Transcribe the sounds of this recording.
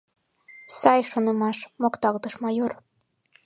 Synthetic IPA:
sɑjʃonə̆mɑʃmokt̪ɑlt̪əʃmɑjor

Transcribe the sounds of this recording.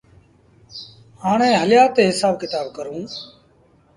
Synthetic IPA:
haːɳẽːɦəljaːt̪eːɦɪsaːb̚kɪt̪aːbkəɾũː

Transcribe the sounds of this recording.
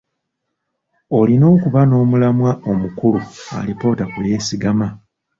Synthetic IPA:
olino̞ːkuβano̞ːmulamwaomukulua̰lipo̞ːtakuje̞ːsiɡama

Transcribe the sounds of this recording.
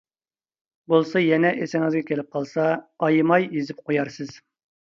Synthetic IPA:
bolˠsɑjɛnɛʔesɪŋɨzɡʲɛkʲʰelɪp̚qʰɑlˠsɑːjmɑjezɪp̚qʰojɑɾsɨz̥

